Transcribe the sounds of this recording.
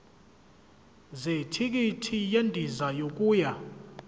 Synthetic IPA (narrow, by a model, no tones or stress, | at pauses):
zetʰik̬ʼitʰijendʼʱizajok̬ʼuːja